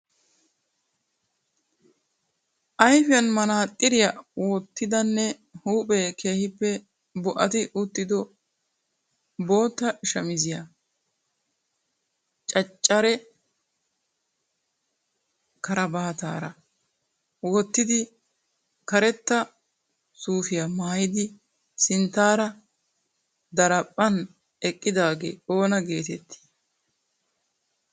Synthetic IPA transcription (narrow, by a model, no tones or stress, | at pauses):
ʔɐjfɪjɐnmɐnaːt̪ʼːɪɾɪjɐwoːt̪ːɪd̪ɐnːɛ | huːpʼɛːkʰe̞ːhɪpːɛ | bɔʔɐt̪ɪʔʊt̪ːɪd̪ɔ | bo̞ːt̪ːɐʃɐmɪzɪjɐ | t͡ʃʼɐt͡ʃʼːɐɾɛ | kɐɾɐbaːt̪a̰ːɾɐ | wɔt̪ːɪd̪ɪ | kɐɾɛt̪ːɐ | suːfɪjamaːjɪd̪ɪ | sɪnt̪ːaːɾɐ | d̪ɐɾɐpʼːɐn | ɛkʼːɪd̪aːɡḛːo̞ːnɐɡe̞ːt̪ɛt̪ʰːi̥